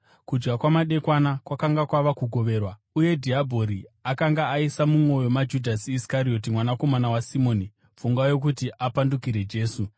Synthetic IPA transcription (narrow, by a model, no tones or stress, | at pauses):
kud͡ʒɡakwamaɗe̞kwanakwakaŋɡakwaʋakuɡʱo̞ʋe̞ːrwa | uje̞dʱiabʱo̞ɾiakaŋɡaːisamumwo̞jo̞mad͡ʒudʱasiskaɾio̞timwanako̞manawasimo̞ːni | fuŋɡajo̞k̬utiʔapandukiɾe̞d͡ʒe̞ːsu